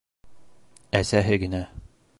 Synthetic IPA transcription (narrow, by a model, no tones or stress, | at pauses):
æsæɦɘɡɘ̆næ